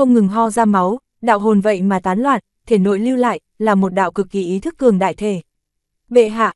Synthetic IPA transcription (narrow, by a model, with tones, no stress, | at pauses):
ə˧wŋ͡mŋɨ˨˩ŋɦɔ˧zaː˧ma˨˦w | ɗa̰ː˧˨wɦo˨˩nvə̰˧˨jmaː˨˩t̪aː˨˦nlwaː˨˩t̚t̪ʰe˧˩no̰˧˨jli˧wla̰ː˧˨j | laː˨˩mo˨˩t̚ɗa̰ː˧˨wkɨ˨˩k̚ːi˧˨˩ʔi˨˦t̪ʰɨ˦˥kːɨ˨˩əŋɗa̰ː˧˨jt̪ʰe˧˩ | ɓḛ˧˨ɦa̰ː˧˨